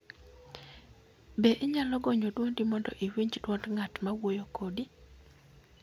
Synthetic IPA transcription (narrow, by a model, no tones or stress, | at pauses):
beʔɪɲalɔɡɔɲodwondimɔndɔʔiwiɲd͡ʒdwɔtŋatmawojokodi